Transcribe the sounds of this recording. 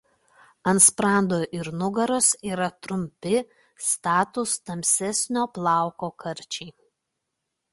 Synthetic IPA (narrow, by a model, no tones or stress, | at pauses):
ɐnspɾɑˑnd̪oːʔɪɾnʊɡɐɾoːsiːɾɐt̪ɾʊmʲpʲɪ | st̪ɑːt̪ʊst̪ɐmʲsʲɛsʲnʲoːplˠɑˑʊkoːkʰɐɾʲt͡ʃʲɛɪ